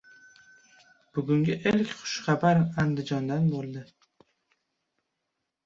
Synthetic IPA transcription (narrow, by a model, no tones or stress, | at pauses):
b̥ʊɡʊŋɡʲɪʔelkʲχʊ̥ʃχɑbaɾand̪ɪd͡ʒɒnd̪anbolˠd̪ɪ